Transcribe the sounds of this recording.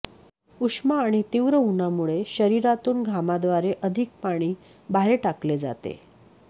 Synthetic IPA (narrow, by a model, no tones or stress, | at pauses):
uʂmaːɽ̃it̪iʋɾəɦunamuɭeɕəɾiɾat̪uːnɡʱamad̪ʋaɾeʔəd̪ʱik̚paɽ̃iː | bʱaɾeʈakled͡za̰t̪ḛ